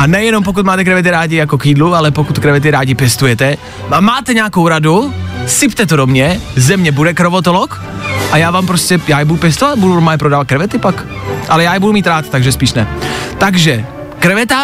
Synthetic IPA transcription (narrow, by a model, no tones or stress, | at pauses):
ʔanɛjɛnomp̬ok̬ut̪̚maːt̪ɛkɾɛvɛt̪̬ɪɾaːɟɪjakokiːdlualɛpokut̪kɾɛvɛt̪̬ɪɾaːɟɪpjɛst̪ujɛt̪ɛ | vaːmːaːt̪ɛɲaːkowɾadusɪpt̪ɛt̪odomɲɛzɛmɲɛbudɛkɾovot̪olok | ʔajaːvaːmpɾoscɛjaːjɛbudupjɛst̪ovat̪budumaːjɛpɾodaːvat̪kɾɛvɛt̪ɪpak | ʔalɛjaːjɛbudumiːt̪ɾaːt̪t̪aɡʒɛspiːʃnɛt̪aɡʒɛ | kɾɛvɛt̪a